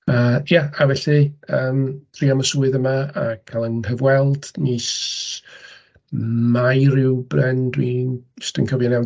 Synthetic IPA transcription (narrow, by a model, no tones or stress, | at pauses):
əːjaavɛɬɨəːmr̥iːaməsuːɨðəmaakʰalˠənhəvwɛlˠd̥nis | majɾɪwbrɛndwi̥stə̰nkʰɔvinɛw